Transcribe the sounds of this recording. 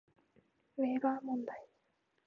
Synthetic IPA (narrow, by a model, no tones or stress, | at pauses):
βeːɡamõnd̪ai